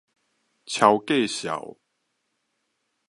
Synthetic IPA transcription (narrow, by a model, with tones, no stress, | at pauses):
t͡ɕʰja˨˦ʊwke˥˨ɕja̰˨˩˦w